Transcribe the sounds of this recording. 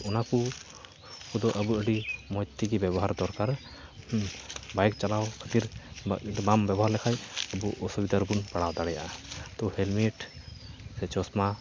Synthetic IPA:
ɔnaku | kud̪ɔʔəbuəɖimɔjt̪ːiɡibɛbɔɦaɾd̪ɔɾkaɾ | bajk̚t͡ʃalawkʰət̪iɾəɖibambɛbɔɦaɾlɛkʰajəbuʔɔsubid̪aɾbunpaɽawd̪aɽɛja̰ʔat̪ɔhelmiʈ | sɛt͡ʃɔsma

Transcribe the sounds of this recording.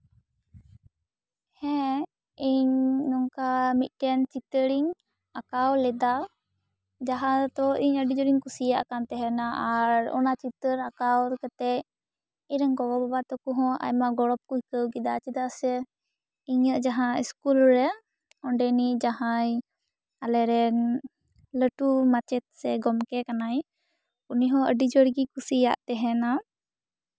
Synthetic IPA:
hɛ̃ | iɲnɔŋkamit̪̚ˀʈɛnt͡ʃit̪əɾiŋ | akawlɛd̪a | d͡ʒaɦãt̪ɔiɲəɖid͡ʒɔɾiŋkusijaʔkant̪ɛɦɛnaaɾɔ̰nat͡ʃit̪əɾakawɾkat̪ɛ | iɾɛŋkɔbɔbabat̪ɔkɔɦɔ̃a̰jmaɡɔɽɔp̚kuɦikəwɡid̪at͡ʃid̪aʔsɛ | iɲəʔd͡ʒaɦãiskulɾɛ | ɔɳɖɛnid͡ʒaɦãj | alɛɾɛn | ləʈumat͡ʃɛt̪̚sɛɡɔmkɛkanaj | puniɦɔ̃ə̰ɖid͡ʒɔɽɡikusija̰ʔt̪ɛɦɛna

